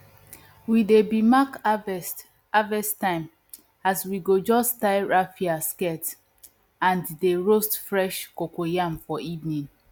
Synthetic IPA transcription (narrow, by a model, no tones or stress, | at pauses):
widebimak | avɛstãɪ̃m | aswiɡod͡ʒɔsttaɪɹafiaskɛt | ãnddeɹostfɹɛʃkokojamfɔivnĩn